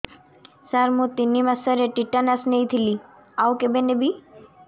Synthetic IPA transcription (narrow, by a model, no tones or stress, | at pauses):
saɾmũt̪inimasəɾeʈiʈːanasnejt̪ʰili | awkebenebi